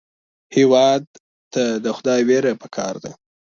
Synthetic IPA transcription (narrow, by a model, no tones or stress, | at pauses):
hewɑd̪̚ | t̪ad̪əxʊd̪ɑjweɾapə̥kʰɑ̰ɾd̪a̰